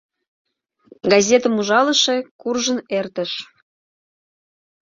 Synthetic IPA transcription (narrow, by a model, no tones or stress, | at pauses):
ɡɑzʲet̪əmuʒɑləʃekurʒənert̪əʃ